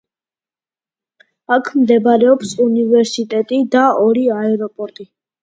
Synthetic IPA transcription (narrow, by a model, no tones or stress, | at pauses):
akʰmd̪ɛbaɾɛɔpsunivɛɾsit̪ʼɛt̪ʼid̪aʔɔɾiaɛɾɔpʼɔɾt̪ʼi